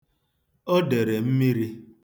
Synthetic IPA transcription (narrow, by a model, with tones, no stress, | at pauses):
o˦de˨ɾe˨m̩˦mi˦ɾi˦